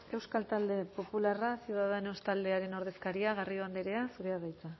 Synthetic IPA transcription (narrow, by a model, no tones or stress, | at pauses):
e̞wskalt̪ald̪e̞po̞pularasjuð̞aðenost̪ald̪e̞aɾe̞no̞ɾð̞e̞skaɾiaɣario̞and̪eɾe̞asuɾe̞aβajt͡sa